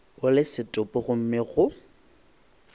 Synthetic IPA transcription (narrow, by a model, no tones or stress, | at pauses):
ʊlɪsɪtʼʊpʼɔɣʊm̩mɪɣʊ